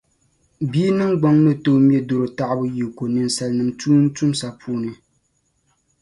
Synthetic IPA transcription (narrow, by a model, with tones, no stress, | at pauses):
biː˦nɨ˦ŋɡ͡bɔ˦ŋnɨ˦to˦mjɛ˦do˨ɾɨ˨ta˦˨ʔbɨ˦ji˨ko˨nɨ˨n˨sa˨lnɨ˨mtuː˦n̩˦tu˦msa˨pʰuː˦nɨ˨